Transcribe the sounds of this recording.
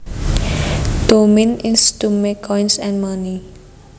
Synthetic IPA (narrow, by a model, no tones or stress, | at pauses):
d̪̥omɪnɪnstumekʰɔjnsɛ̃nmani